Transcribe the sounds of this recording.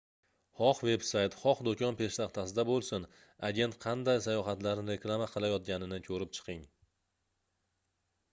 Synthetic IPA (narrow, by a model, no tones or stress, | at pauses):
χɒqve̞bsajt̪χɒqd̪okʰʲɒnpʰe̞ʃt̪aqt̪ʰasɪd̪abolˠsɪn | aɡʲe̞nt̪qʰɑnd̪ajsajɒχat̪laɾnɪɾe̞klˠamaqʰɨlˠajɒt̪̚ɡʲanɪnɪkʰɵɾɪp̚t͡ʃʰɨ̥qʰɪŋ